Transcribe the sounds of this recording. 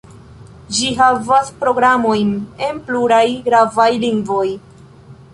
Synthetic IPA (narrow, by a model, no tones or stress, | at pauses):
d͡ʒiɦavaspɾo̞ɡɾamo̞jne̞npluɾajɡɾavajliŋɡvo̞j